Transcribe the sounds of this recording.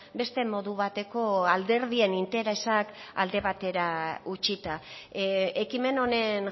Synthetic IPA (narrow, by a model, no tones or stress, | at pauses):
be̞st̪e̞mo̞ðuβat̪e̞ko̞ald̪e̞ɾð̞ie̞nint̪e̞ɾe̞saka̰ld̪e̞β̞at̪e̞ɾaut͡ʃit̪a | ekime̞no̞ne̞ŋ